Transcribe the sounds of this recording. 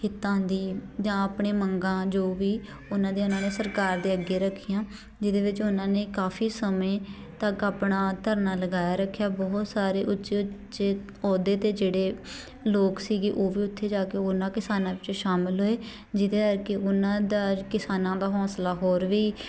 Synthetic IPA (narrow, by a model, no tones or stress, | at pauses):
kɪt̪ãːnd̪iːd͡ʒãːaːpɳeːməŋɡãːd͡ʒoːʋiː | ʊnãːd̪eːʊnãːneːsəɾkaːɾd̪eːəɡːeːɾəkʰːɪjãː | d͡ʒɪd̪eːʋɪt͡ʃʊnãːneːkaːfʰiːsəmẽː | t̪əkaːpnaːt̪əɾnaːləɡaːjaːɾəkʰːjaːbɔɦt̪saːɾeːʔʊtːʃeːʊt͡ʃeː | ɔːd̪eːt̪eːd͡ʒeːɽeː | loːksiːɡeːʔoːʋiːʊt̪ʰːeːd͡ʒaːkeːʊnãːkɪsaːnãːʋɪt͡ʃʃaːmɪlɦoːeː | d͡ʒɪd̪eːəɾkeʔʊnãːd̪aːkɪsaːnãːd̪aːɦɔ̃ːslaːɦoːɾʋiː